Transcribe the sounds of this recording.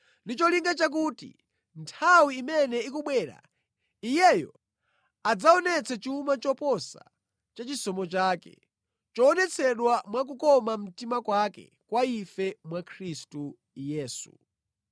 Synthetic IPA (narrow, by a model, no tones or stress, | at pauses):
ndit͡ʃɔliŋɡat͡ʃak̬utḭ | ntʰawiːmɛnɛikuɓwɛːɾa̰ | ijɛjɔ̰ | ad͡zaɔnɛt͡sʰat͡ʃiumat͡ʃɔpɔsa̰ | t͡ʃat͡ʃisɔmɔt͡ʃaːkɛ̰ | t͡ʃɔːnɛt͡sʰɛɗwamwak̬ukɔmam̩timakwakɛ̰ | kwaifɛmwakʰɾistu | jɛːsṵ